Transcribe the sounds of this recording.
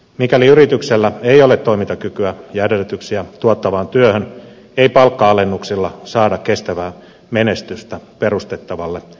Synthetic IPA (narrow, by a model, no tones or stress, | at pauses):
mikæliyɾit̪ykselːæeijolet̪ːoimint̪ɑkykyæjædelːyt̪yksiæt̪uot̪ːɑʋɑːnt̪yøhøn | eipɑlkːɑɑlenːuksilːɑsɑːdɑkkːest̪æʋæː | menest̪yst̪æperust̪et̪ːɑʋɑlːe